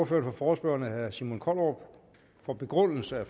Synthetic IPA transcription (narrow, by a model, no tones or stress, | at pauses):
ɐfø̰ɐnfɒfɒːsb̥øɐnəhæsimo̝nkʰɒlɒ̥ | fɒb̥e̝ɡ̥ʁɔn̰l̩səæf